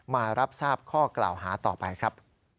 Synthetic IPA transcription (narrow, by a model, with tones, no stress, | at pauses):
maː˧ɾa˦˥p̚saː˥˩p̚kʰɔː˥˩kla̰ː˨˩wɦaː˩˦t̪ɔ̰ː˨˩pa˧jkʰɾa˦˥p̚